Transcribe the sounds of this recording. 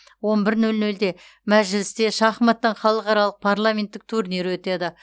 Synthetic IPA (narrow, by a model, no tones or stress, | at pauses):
wo̞nbɪɾnɵlnɵld̪e̞ | mæʒɪlɪst̪e̞ʃɑχmɑt̪ːɑɴχɑlˠəqɑɾɑlˠəq̚pʰaɾlˠamʲe̞nt̪ːɪk̚t̪ʰuɾneɾwɵt̪e̞d̪ɪ